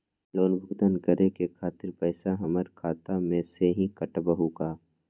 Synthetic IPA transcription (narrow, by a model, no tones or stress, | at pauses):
loːnbʱʊɡd̪ənkəɾʔekekʰaːt̪ɪɾpɛːsaɦɐməɾkʰaːt̪amẽseɦĩkɐʈbəɦukaː